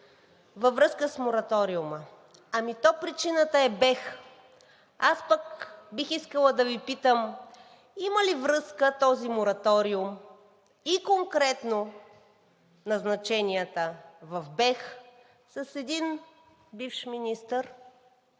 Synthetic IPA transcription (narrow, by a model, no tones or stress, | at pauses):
vɐvɾɤskəsmoɾɐt̪ɔɾiumə | ɐmit̪ɔpɾit͡ʃinət̪əɛbɛx | aspəkbixiskəlˠəd̪ɐvipit̪əm | iməlivɾɤskət̪ɔzimoɾɐt̪ɔɾiʊm | ikoŋkɾɛt̪no | nɐznɐt͡ʃɛnʲiət̪əvɐvbɛx | sɐsɛd̪in | bifʃminist̪əɾ